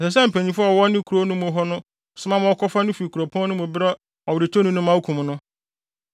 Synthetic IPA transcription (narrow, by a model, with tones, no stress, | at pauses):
ɛ˨sɛ˨s̬ɛ˦m̩˨pʰæ̃˨ɲĩ˦fa˦˨ɔ˨wɔ˦nɪ̃˦kʰu˨ɾo˦nʊ̃˦mʊ̃˨˦ɦɔ˦nʊ̃˦˨ | sʊ˦mã˦mʊ̃˦ɔ˦kɔ˦fa˦nʊ̃˦fi˨i˨kʰu˨ɾo˨pʰɔ̃˦nʊ̃˦mʊ̃˨bɾɛ˦ | ɔ˨wɾɪ˨tʰo˦nʊ̃˦nʊ̃˦mã˦u˦kʰũ˨m˨nʊ̃˦